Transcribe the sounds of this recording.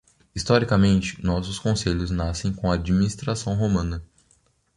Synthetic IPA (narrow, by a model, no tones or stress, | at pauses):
ist̪ɔɾikɐmẽnt͡ʃɪ̥nɔsʊskõseʎʊznasẽj̃kõɐad͡ʒiminist̪ɾasɐ̃w̃ɦomɐ̃nɐ